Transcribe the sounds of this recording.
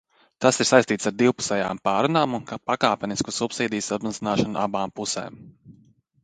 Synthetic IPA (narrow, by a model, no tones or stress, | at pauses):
t̪asiɾ̥sajst̪iːt̪saɾd̪iwpu̥sɛja̰ːmpaːɾunaːmunkpakaːpʲɛniskusupsiːd̪ijsat̪mazinaːʃanuʔabaːmpusḛːm